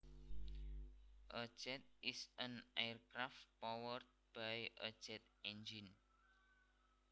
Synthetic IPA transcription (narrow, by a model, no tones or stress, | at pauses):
ʔə̥d͡ʒɛt̪̚ʔisənajərkɾaft̪̚pɔwərt̪̚b̥ajʔə̥d͡ʒ̥ɛt̪̚ | ɛnd͡ʒin